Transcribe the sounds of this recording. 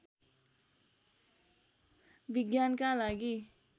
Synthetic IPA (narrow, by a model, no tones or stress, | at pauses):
biɡjankalaɡi